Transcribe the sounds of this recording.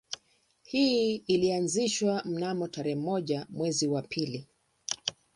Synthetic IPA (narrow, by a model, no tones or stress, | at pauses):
hiilianziʃwam̩namɔtaɾɛhɛmɔʄamwɛziwapʰili